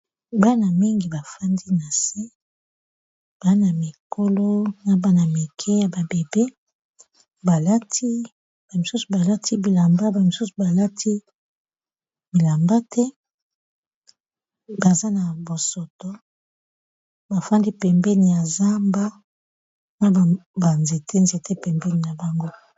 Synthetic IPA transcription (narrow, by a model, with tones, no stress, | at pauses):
ba˦na˨mi˦ŋɡi˨ba˨fa˦ndi˦na˨se˦ | b̥a˦na˨mi˨ko˦lo˦na˨ba˦na˨mi˨kʰɛ˦ja˨ba˨be˨be˦ | ba˨la˦tʰi˦ | b̥a˨mi˨su˦su˨ba˨la˦tʰi˦bi˨la˨mba˦ba˨mi˨su˦su˨ba˨la˦tʰi˦ | bi˨la˨mba˦tʰɛ˦ | ba˨za˦na˨bo˨so˨tɔ˦ | ba˨fa˦ndi˦pɛ˨mbɛ˦ni˨ja˨za˦mba˦ | na˦˨ba˨nze˨tʰe˦nze˨tʰe˦pɛ˨mbɛ˦ni˨na˨ba˨ŋɡo˦